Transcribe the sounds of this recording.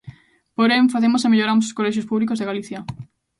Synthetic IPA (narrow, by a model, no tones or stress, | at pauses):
poɾeɱfaθemosemeʎoɾamos̬oskolɛʃ̬jospuβlikozðeɣaliθja